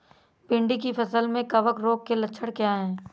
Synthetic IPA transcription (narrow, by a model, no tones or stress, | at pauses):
pɪ̃ɳɖik̬ipʰɐsəlmẽkɐʋəkɾoːkːelətːʃʰəɽkjaɦɛ̃ː